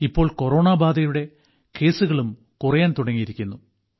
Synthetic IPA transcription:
ipːo̞ːɭko̞ro̞ːɳaːbaːd̪ɐjuɽe̞ | ke̞ːsuɣɐɭum | kurɐjaːnt̪uɽɐŋːijiɾikʲːunːu

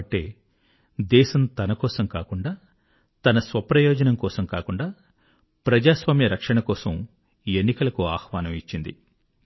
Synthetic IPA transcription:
ʈːḛː | d̪ɛːʃɐmt̪ɐnɐkɔːsɐmkaːkuɳɖaː | t̪ɐnɐsʋɐpɾɐjoːd͡ʒɐnɐmkɔːsɐmkaːkuɳɖaː | pɾɐd͡ʒaːsʋaːmjɐɾɐkʂɐɳɐkɔːsɐm | enːikɐlɐkuaːxʋaːnɐmit͡ʃːind̪ḭ

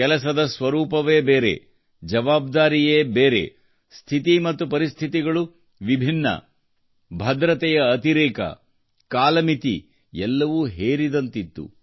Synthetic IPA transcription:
ɛlɐsɐd̪ɐsʋɐɾuːpɐʋeːbeːɾḛ | d͡ʒɐʋaːb̚d̪aːɾijeːbeːɾḛ | st̪ʰit̪imɐt̪ːupɐɾist̪ʰit̪iɡɐɭu | ʋibʱinːɐ̰ | bʱɐd̪ɾɐt̪ɛjɐːt̪iɾeːkɐ̰ | kaːlɐmit̪ḭ | ɛlːɐʋuːɦeːɾid̪ɐnt̪it̪ːṵ

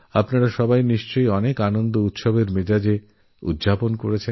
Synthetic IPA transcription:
apnaɾaʃɔbajniʃt͡ɕojɔnekanond̪out̪ʃobeɾmed͡ʑad͡ʑe | ṵd̪d͡ʑʱaponkoɾet͡ɕʰen

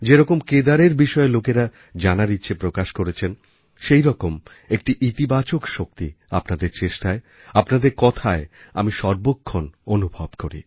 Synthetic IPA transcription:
d͡ʑeɾɔkomked̪aɾeɾbiʃɔelokeɾa | d͡ʑanaɾitːɕʰepɾokaʃkoɾet͡ɕʰen | ʃejɾɔkom | ek̚ʈiʔit̪ibat͡ɕokʃok̚t̪ḭ | apnad̪eɾt͡ɕeʃʈae | apnad̪eɾkɔt̪ʰaea̰miʃɔɾbokʰːononubʱɔbkoɾḭ

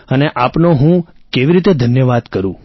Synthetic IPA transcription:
əneʔapnoɦũkeʋiɾit̪ed̪ʱənjəʋad̪kəɾũ

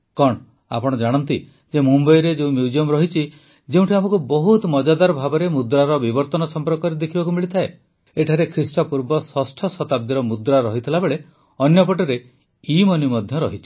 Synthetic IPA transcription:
kɔɽ̃ | a̰pɔɽ̃ɔd͡ʒaɽ̃ɔnt̪i | d͡ʒemumbɔjɾed͡ʒeũmjuud͡ʒiɔmɾɔɦit͡ʃʰi | d͡ʒeũʈʰiamɔkubɔɦut̪mɔd͡ʒad̪aɾɔbʱabɔɾemud̪ɾaɾɔbibɔɾt̪ɔnɔsɔmpɔɾkɔɾed̪ekʰibakumiɭit̪ʰae | eʈʰaɾekʰɾisʈɔpuɾbɔswɔsʈʰɔsɔt̪ab̚d̪iɾɔmud̪ɾaɾɔɦit̪ʰilabeɭe | ɔnjɔpɔʈɔɾe | imɔnimɔd̪ʱjɔɾɔɦit͡ʃʰi̥

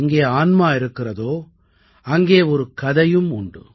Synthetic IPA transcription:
ŋɡeːaːnmaːɪɾɯkːɪrɐðoː | ɐŋɡeːɔɾɯkɐðɐjɯmʊɳɖɯ̰

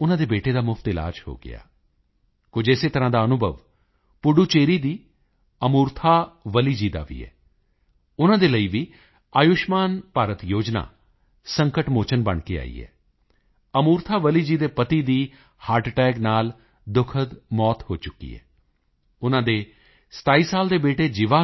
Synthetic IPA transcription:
ʊnãːd̪eːbeːʈeːd̪aːmʊpʰt̪ɪla̰ːd͡ʒho̰ːɡɪ̰a̰ː | kʊd͡ʒɪseːt̪əɾãːd̪aːənʊbʱəʋ | pʊɖuːt͡ʃeːɾiːd̪iː | əmuːɾt̪ʰaːʋəliːd͡ʒiːd̪a̰ːʋḭːɛ̰ː | ʊnãːd̪eːləiːʋiː | aːjʊʃmaːnpaːɾət̪joːd͡ʒna̰ː | səŋkəʈmoːt͡ʃənbəɳkḛːa̰ːḭːɛ̰ː | əmuːɾt̪ʰaːʋəliːd͡ʒiːd̪eːpət̪iːd̪iː | haːɾʈʈɛːɡnaːl | d̪ʊkʰəd̪mɔːt̪hoːt͡ʃʊkːḭːɛ̰ː | ʊnãːd̪eː | sə̥t̪aːiːsaːld̪eːbeːʈeːd͡ʒɪʋaː

